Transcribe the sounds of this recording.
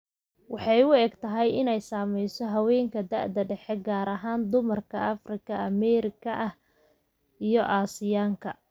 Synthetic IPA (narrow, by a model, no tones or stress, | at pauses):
wɑħɑjʊɛːɡt̪ʰɐɦɛjɪnɛjsaːmɛjsɔɦɐwɛːŋkʰɐd̪ɐʕd̪ɐɖɛħɛɡaːɾɐɦaːnd̪ʊmɐrkʰɐɐfrɪkʰɐɐmɛːɾɪkʰɐʔɐh | ijɔʔaːsɪjaːŋkʰɐ